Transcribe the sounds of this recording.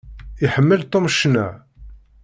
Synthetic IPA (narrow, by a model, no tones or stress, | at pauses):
iħəmːəlt̪omʃnæ